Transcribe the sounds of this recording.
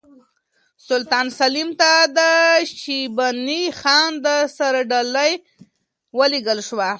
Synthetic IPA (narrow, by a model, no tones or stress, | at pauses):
sʊlt̪ɑnsalimt̪ad̪əʃibanixɑnd̪əsaɾaɖaləj | wəleɡəlʃwa